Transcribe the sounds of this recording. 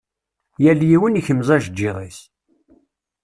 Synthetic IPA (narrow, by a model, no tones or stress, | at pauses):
jæljiwəniçəmzˤæʒəd͡ʒːiðˤis